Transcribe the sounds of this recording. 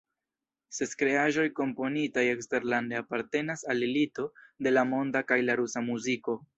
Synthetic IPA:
seskɾe̞aʒo̞jko̞mpo̞nitajekste̞ɾlande̞apaɾte̞nasalelito̞de̞lamo̞ndakajlaɾusamuziko̞

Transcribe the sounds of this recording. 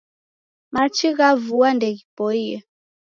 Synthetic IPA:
mat͡ʃiɣavuandɛɣipɔijɛ

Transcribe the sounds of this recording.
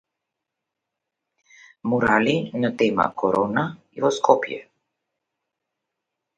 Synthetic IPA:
muɾalinat̪ɛma̰kɔɾɔna | ivɔskʰɔpjɛ̰

